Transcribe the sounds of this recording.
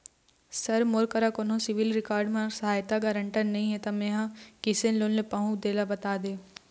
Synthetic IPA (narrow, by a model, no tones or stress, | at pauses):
sɐɾmoɾkəɾakoːnɦõsɪʋɪlɾɪkaːɾɖmãsɐɦaːjt̪aɡɐɾə̃ɳʈənɐɦĩɦɛ̃t̪amẽːɦãkɪsenloːllepɐɦũd̪eːlabɐt̪aːd̪eː